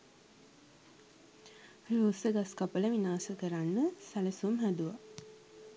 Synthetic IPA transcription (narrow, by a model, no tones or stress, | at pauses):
ruːsəɡaskapələʋinaːsəkəɾanːəsæləsumɦæd̪uʋa